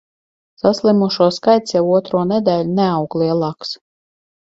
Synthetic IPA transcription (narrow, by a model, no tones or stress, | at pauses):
saslʲˠimuʃuɔskajt̪sjɛwuɔt̪ɾuɔnɛd̪ɛːlʲunɛawklˠiɛlˠaːks